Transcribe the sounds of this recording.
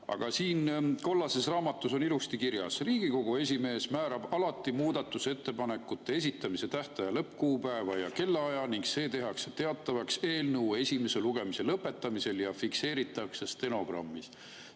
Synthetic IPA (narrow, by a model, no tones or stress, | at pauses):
ɑ̰ɡ̥ɑsiːnko̞lːɑse̞srɑːmɑt̪ːˑuso̞nilust̪ikirjɑ̰sriːɡiko̞ɡ̥ue̞s̬ʲime̞ːsmæːɾɑb̥ɑlɑt̪ːˑimuːd̪̥ɑt̪ːˑuse̞t̪ːe̞pɑne̞kːˑut̪ˑːe̞e̞sit̪ˑːɑmise̞t̪æht̪ɑjɑlɤpːkuːpæevɑjɑke̞lːɑɑjɑniŋkse̞ːt̪e̞ɦɑkset̪e̞ɑt̪ˑːɑvɑkse̞ːlnəue̞sʲime̞se̞luɡ̥e̞mise̞lɤpːˑe̞t̪ːˑɑmise̞ljɑfikse̞ːɾit̪ːˑɑksest̪e̞no̞ɡ̥rɑ̰mːis